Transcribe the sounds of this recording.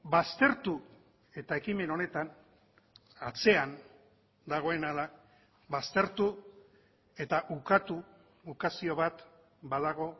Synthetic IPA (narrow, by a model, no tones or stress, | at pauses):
bast̪e̞ɾt̪u | e̞t̪ae̞kime̞no̞ne̞t̪an | at͡se̞an | d̪aɣ̞o̞e̞naða | βast̪e̞ɾt̪u | e̞t̪aʔukat̪u | ukasio̞βat̪ | baðaɣ̞o̞